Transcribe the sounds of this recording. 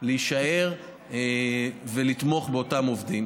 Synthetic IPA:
leiʃae̞ʁ | ve̞lit̪mo̞χbeo̞tamovd̪im

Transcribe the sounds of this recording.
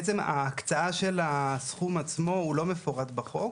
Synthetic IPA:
t͡sema̰ːkt͡saaʃe̞lasχumat͡smo̞ulo̞me̞foʁatbaχo̞k

